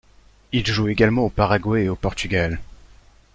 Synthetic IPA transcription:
ilʒueɡalmɑ̃opaʁaɡwɛeopɔʁt̪yɡal

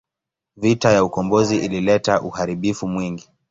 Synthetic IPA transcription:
vitajaukɔmbɔziʔililɛtaʔuhaɾiɓifumwiŋɡi

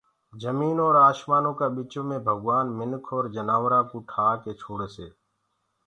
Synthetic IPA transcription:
d͡ʒəmiːnoːɾaːʃmaːnõːkaːɓɪt͡ʃõːmẽːbʱəɡʋaːnmɪnkʰoːɾd͡ʒənaːʋɾaːkuːʈʰaːkeːt͡ʃʰoːɽeːseː

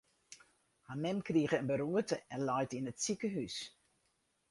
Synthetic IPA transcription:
hamɛmkriəɣəənbəɾuətəɛnlɔjtinətsikəɦys

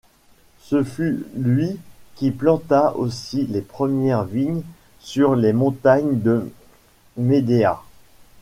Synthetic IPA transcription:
səfylɥikʲiplɑ̃t̪ao̰silepχəmjɛʁviɲ | syʁlemɔ̃t̪aɲd̪ə | med̪ea̰

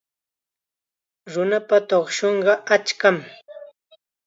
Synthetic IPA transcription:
ɾʊnapat̪oχʃoɴɢɑat͡ʃkam

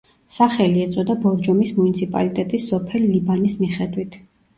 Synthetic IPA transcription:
saχɛliɛt̪sʼɔd̪abɔɾd͡ʒɔmismunit̪sʰipʼa̰lit̪ʼɛt̪ʼisːɔpʰɛlːibanismiχɛd̪wit̪ʰ

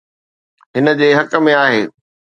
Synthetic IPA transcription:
ɦɪnə̆d͡ʑeːɦɐkə̆mẽaːɦeː

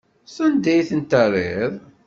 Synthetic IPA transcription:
sˤənd̪æjθənt̪ərˤɪðˤ

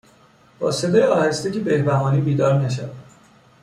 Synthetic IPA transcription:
bɒːsed̪ɒːjeɒːhest̪ecebehbæɦɒːniːbiːd̪ɒːɾnæʃ̬ævæ

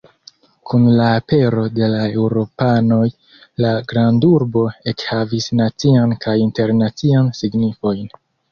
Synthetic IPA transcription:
kʰunlaːpe̞ɾo̞de̞lae̞wɾo̞pano̞j | laɡɾanduɾbo̞e̞khavisnat͡siankajinte̞ɾnat͡siansiɡnifo̞jn

